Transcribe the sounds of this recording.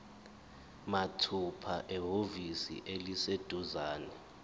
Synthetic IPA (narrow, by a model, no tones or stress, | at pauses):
matʰupʰaʔɛɦovisḭʔelised̥ʱuzaːnɛ